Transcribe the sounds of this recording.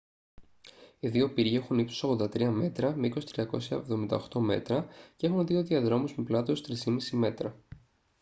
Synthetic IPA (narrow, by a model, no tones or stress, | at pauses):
iðio̞piɾʝexunipsosoɣo̞nd̪ɐt̪ɾiɐme̞t̪ɾɐmeikosi̥t̪ɾiɐko̞̰sçɐevðo̞mind̪ɐ̰oxt̪o̞me̞̰t̪ɾɐcee̞xunðio̞ðiɐðɾo̞muzmeplɐt̪ost̪ɾisimisime̞t̪ɾɐ